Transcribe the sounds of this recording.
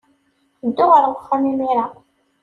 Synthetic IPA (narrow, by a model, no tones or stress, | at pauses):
əd̪ːʊʁəɾwχːamimiɾa